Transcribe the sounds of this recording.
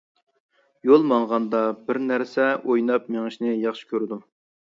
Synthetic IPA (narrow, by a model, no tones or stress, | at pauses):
jolˠmɑŋʁɑnd̪ɑbɪɾnæɾsɛojnɑp̚meŋɨʃnɪjɑχʃɪ̥kʲʰøɾd̪u